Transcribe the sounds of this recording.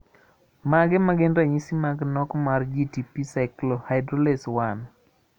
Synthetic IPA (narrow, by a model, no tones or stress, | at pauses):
maɡɛmaɡɛndaɲisimaɡnɔkmard͡ʒitipisaɪklohaɪdɾoleswan